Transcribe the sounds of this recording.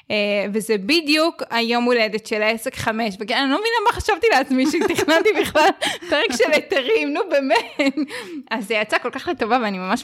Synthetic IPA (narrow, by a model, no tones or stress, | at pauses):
evezebidjukajo̞mːuled̪etʃelaese̞kχame̞ʃvekenanilomevinlamaχaʃavt̪ileat͡smiʃet̪iχnaltibiχlalpeʁekʃelet̪eʁimnubemetazːejat͡sako̞lkaχlet̪o̞vaveanimamaʃ